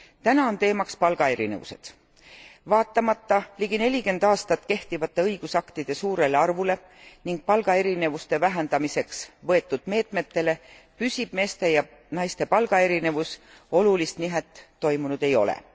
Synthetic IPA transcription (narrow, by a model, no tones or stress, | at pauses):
t̪ænɑo̞nt̪e̞ːmɑkspɑlɡ̥ɑe̞ɾḭnevṵse̞̰d̪̥ | vɑːt̪ːˑɑmɑt̪ːɑliɡine̞lʲike̞nd̪̥ɑːst̪ɑt̪ːˑke̞ht̪ivɑt̪ˑːe̞ɤjɡ̥usɑkt̪id̪̥e̞suːɾe̞leɑrvule̞ | niŋɡ̥̚pɑlɡ̥ɑe̞ɾine̞vust̪e̞væɦend̪̥ɑmise̞ksvɤ̞e̞t̪ːˑud̪̥̚me̞ːt̪ˑme̞t̪ːe̞le̞ | pysʲib̥me̞ːst̪e̞jɑ | nɑjst̪e̞pɑlɡ̥ɑe̞ɾine̞vus | o̞lulist̪niɦet̪ːo̞jmunud̪̥e̞jo̞̰lḛ